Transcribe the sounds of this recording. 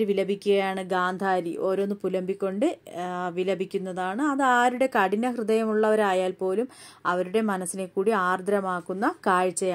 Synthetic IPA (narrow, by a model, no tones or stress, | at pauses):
ɾʋilɐbʱikʲːuɣɐjaːɳɨɡaːnd̪ʱaːɾiʔo̞ːɾonːɨpulɐmbʱikʲːo̞ɳɖɨʋilɐbʱikʲːunːɐðaːɳɨɐðaːɾuɽe̞kɐɽinɐhrɨðɐjɐmuɭːɐʋɐɾaːjaːlpo̞ːlum | ɐʋɐɾuɽe̞mɐnɐsːine̞kːuːɽiaːrd̪ʱɾɐmaːkːunːɐkaːɻt͡ɕːɐjaː